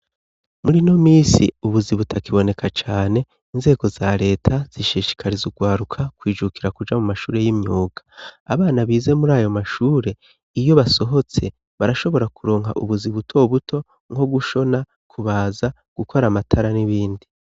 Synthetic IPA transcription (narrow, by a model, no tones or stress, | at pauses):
muɾino̞miːsḭuβuziβutʰakiβo̞ne̞kʰat͡ʃaːne̞ | inze̞ːɡo̞zaɾe̞ːtʰaz̥iʃiʃi̥kʰaɾizuɡwaːɾukʰakwiːd͡ʒukiɾakud͡ʒamumaʃuːɾe̞jimɲuːɡ̥ḁa̰βaːnaβiːze̞muɾaːjo̞maʃuːɾe̞ | ijo̞βaso̞ɦo̞t͡se̞ | βaɾaʃo̞βo̞ɾakuɾo̞ːŋɦa̰ʔuβuziβutʰo̞βuto̞ | ŋɡo̞ɡuʃo̞na | kʰuβaːza | ɡ̥ukʰo̞ɾamatʰaɾaniβiːndi